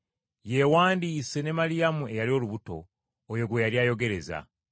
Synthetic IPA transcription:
je̞waːndiːse̞ne̞malijamue̞jalio̞ːluβuto̞̰ː | jo̞ɡwe̞jaliaːjo̞ɡe̞ɾe̞za̰

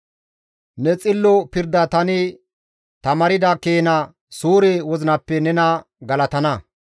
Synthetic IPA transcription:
nɛt͡sʼɪlːɔpɪɾd̪ɐt̪ɐnɪ | t̪ɐmɐɾɪd̪ɐkeːnɐ | suːɾewɔzɪnɐpːɛnɛnɐ | ɡɐlɐt̪ɐnɐ

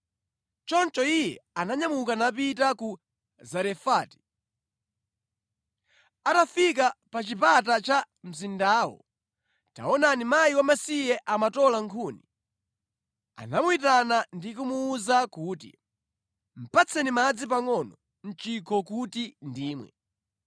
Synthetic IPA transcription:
t͡ʃɔnt͡ʃɔijɛ̰anaɲamukanap̬itaku | zɛɾɛfaːti̥ | atafik̬apat͡ʃipat̬at͡ʃa | m̩zindaːwɔ̰ | ta̰ɔnanimajiwamasijɛʔamatɔlaŋkʰuːni | a̰namuitanandikumuːzakuːt̬ḭ | m̩pat͡sʰɛnimad͡zip̬aŋɔnɔ | n̩t͡ʃikʰɔkutindiːmwɛ̰

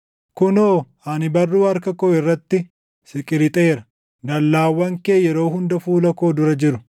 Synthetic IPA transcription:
kʊnoː | ɐnɪbɐrːuːɐɾkɐkɔɪrːɐt̪ːɪ | sɪkʼɪɾɪt̪ʼːɾɐ̥ | d̪ɐlːaːwːɐŋkeːjɛɾo̞ːhʊnd̪ɐfuːlɐko̞ːd̪ʊɾɐd͡ʒɪɾʊ̥

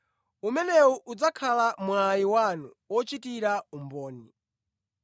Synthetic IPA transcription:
umɛnɛuʔud͡zakʰalamwajiwanu | wɔt͡ʃitiɾaumbɔːni

